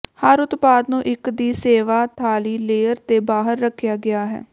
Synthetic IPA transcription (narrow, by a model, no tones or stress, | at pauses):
həɾʊt̪paːd̪nũːʔɪkd̪iːseːʋaːt̪ʰaːliːleːəɾt̪eːbaːɦəɾːəkʰːjaːɡɪaːɦɛ̰ː